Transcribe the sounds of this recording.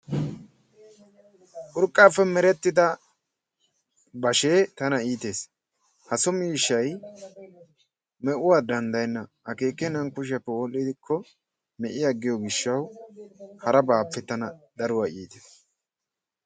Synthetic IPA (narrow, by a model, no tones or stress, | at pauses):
ʔʊɾkʼːaːfːɛmɛɾɛt̪ːɪd̪ɐ | bɐʃe̞ːt̪ɐnɐiːt̪e̞ːs | hɐsɔmiːʃːɐj | mɛʔʊwaːd̪ɐnd̪ɐjnːɐ | ɐke̞ːkːɛnɐŋkʊʃ̬ɐpːɛwɔlːɪd̪ɪkʰːɔ | mɛʔɪjɐɡːɪjɔɡɪʃːɐw | hɐɾɐbaːpːɛt̪ɐnɐd̪ɐɾʊwaʔiːt̪eːs